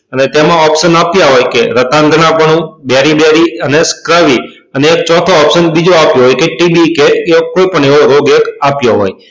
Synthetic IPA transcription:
ənet̪emãɔpʃənapjaɦojkeɾət̪ãŋɡənãpəɳũbjaɾibjaɾiəneskɾaʋi | əneːk̚t͡ʃɔt̪ʰoːpʃənbid͡ʒoapjoɦojkeʈibikeeokoipəɳeʋoɾoɡekapjoɦo̰j

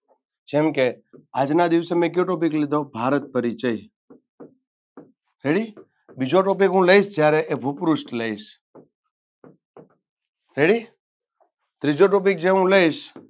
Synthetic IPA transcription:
d͡ʒemkead͡ʒnad̪iʋsemẽk̬joʈop̬iklid̪ʱobʱaɾət̪̚pəɾit͡ʃəi | ɾeɽi | bid͡ʒoʈop̬ikɦũləiʃd͡ʒjaɾeʔebʱupɾusʈləiʃ | ɾeɽi | t̪ɾid͡ʒoʈop̬ik̚d͡ʒeɦũləiʃ

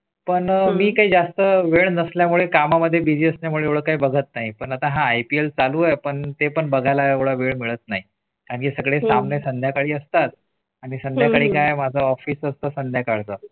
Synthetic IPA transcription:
pəɳmiːkaɦiːd͡zast̪əʋeɭnəsljamuɭekamaməd̪ʱːjebid͡ʑiəsnjamuɭeeʋɭəːkaɦiːbəɡʱət̪naɦipəɳat̪aɦãːjpielt͡saluajpəɳt̪epəɳbəɡʱajlaeʋɭaʋeɭmiɭət̪̚naɦi | t̪ãnkiːsəɡɭesamnesənd̪ʱjakaɭiːəst̪at̪̚ | aɽ̃isənd̪ʱjakaɭiːkajmad͡zʱəɔfiːsəst̪əsənd̪ʱjakaɽt̪əː

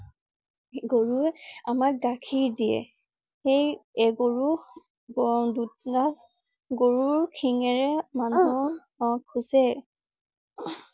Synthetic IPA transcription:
ɡoɹuɛamak̚ɡakʰidijɛ̰ | xejɛɡoɹu | dutlas | ɡoɹuɹkʰiŋɛɹɛmanu | kʰusɛ

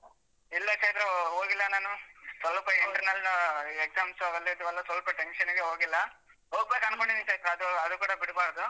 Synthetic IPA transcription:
ilːɐkeːt̪ɾɐɦoːɡilːɐnaːnusʋɐlpɐiʈɐɾnɐlːnaekzaːmsuɐʋɐlːid̪uʋɐlːɐsʋɐlpɐʈenʂɐnuɡeɦoːɡilːɐ | ɦoːɡ̚beːkɐnkoɳɖinikeːt̪ɾɐɐd̪uɐd̪ukuːɽɐbiɽbaːɾd̪u

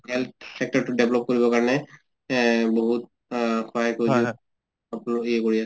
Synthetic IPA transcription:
ɦɛlt̪̚sɛk̚tɔɹtudɛblɔp̚koɹibɔkaɹɔnɛ | boɦut̚ | kʰɔajkoɹi | apnalokiɛkoɹias

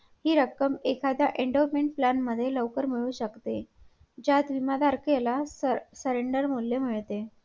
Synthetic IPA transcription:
hiːɾəkːəmekʰad̪jaʔeɳɖomeɳʈplanməd̪ʱːjeləʋkəɾmiɭuːɕəkt̪e | d͡ʑat̪ʋimad̪aɾkelasəɾeɳɖəɾmuljem̤iɭt̪e

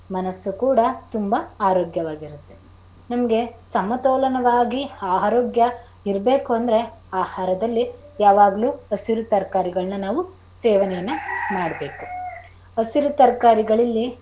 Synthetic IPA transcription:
mɐnɐsːukuːɽɐt̪umbɐaːɾoːɡjɐʋaːɡiɾut̪ːe̞ | nɐmɐɡe̞sɐmɐt̪ɔːlɐnɐʋaːɡiaːɦɾoːɡjɐ | iɾbe̞ːkuɐnd̪ɾe̞aːhaːɾɐd̪ɐlːijaːʋaːɡɐluːɐsiɾut̪ɐɾkaːɾiɡɐɭɐnɐnaːʋu | sɛːʋɐnɛjɐnːɐmaːɽɐbe̞ːku | ɐsiɾut̪ɐɾkaːɾiɡɐɭilːi

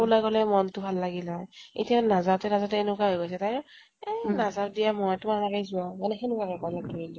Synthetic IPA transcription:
ulajɡolɛmɔntʊbʱalːaɡilɔjḭtijanazatɛnazatɛenʊkaɦojɡojsɛtaɹʊ̃ | enazadijamɔjtʊmalakejzuãmanɛxenukakɛkɔlakoɹilĩ

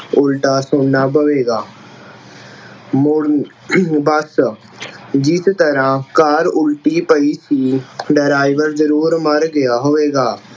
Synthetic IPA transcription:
ʊlʈaːsoːnabəʋeːɡaː | mʊ | bəs | d͡ʒɪst̪əɾãkaːɾʊlʈipəisiːɖəɾaːɪʋəɾzəɾuːɾməɾɡəjaːɦoːeːɡaː

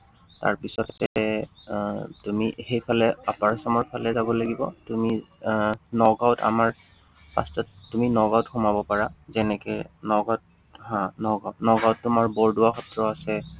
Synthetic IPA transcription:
ta̰ɹpisɔɛ | tumixejpʰalɛapaɹsɔmɔɹpʰalɛzabɔlaɡibɔtumi | nɔɡawta̰maɹ | pa̰stɔtːuminɔɡaʊtxumabɔpaɹazɛnɛkɛnɔɡat̚ | ɦãnɔɡanɔɡawtːʊmaɹbɔɹduwaxɔtɹɔasɛ

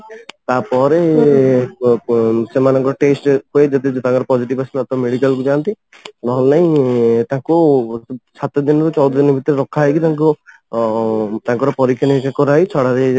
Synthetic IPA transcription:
t̪apɔɾe | semanɔŋkɔɾɔʈesʈkoed͡ʒɔt̪̬id͡ʒt̪ãkɔɾɔpɔd͡ʒiʈibasilɔt̪ɔmeɽikalkud͡ʒant̪i | nɔɦɔlnaĩt̪ãku | sat̪ɔd̪inɔkut͡ʃɔwd̪ʱɔd̪inbʱit̪ɔɾeɾɔkʰaɦjkit̪ãŋk̬u | t̪ãŋkɔɾɔpɔɾikʰjɔnikakɔɾajt͡ʃʰɔɽaɾe

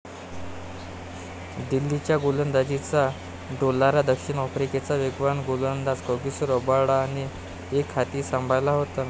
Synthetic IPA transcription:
d̪ilːit͡ɕjaɡolənd̪ad͡ʑit͡sa | ɖolːaɾad̪əkʂiɳɔfɾiket͡saʋeɡʋaɳɡolənd̪at͡skəɡisuɾəbaɽaːɽ̃i | ekʰːat̪iːsãmbʱajlaɦot̪a

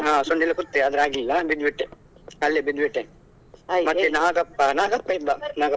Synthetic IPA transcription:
ɦãːsuɳɖilːɐkut̪ːeɐd̪ɐɾaːɡilːɐbid̪ʋiʈːe | ɐlːebid̪ʋiʈːe | mɐtːenaːɡɐpːɐnaːɡɐpːɐibɐnaːɡɐ

